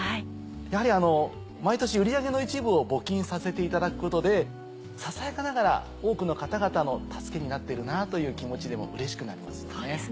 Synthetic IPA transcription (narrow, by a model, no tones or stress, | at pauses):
hai | jahaɾʲiano̞ | mait̪o̞ɕiɯ̟ɾʲiaɡe̞no̞it͡ɕibɯ̟o̞bo̞kʲĩɰ̃sase̞t̪e̞it̪ad̪akɯ̟̥ko̞t̪o̞d̪e̞ | sasaekanaɡaɾa̰ | o̞ːkɯno̞kat̪aɡat̪ano̞t̪ʰḁsɨ̥ke̞ɲ̟inat̪ːe̞ɾɯ̟nat̪o̞jɯ̟ːkʲimo̞t͡ɕid̪e̞mo̞̰ʔɯ̟ɾe̞ɕi̥kɯ̟naɾʲima̰sɨ̥ne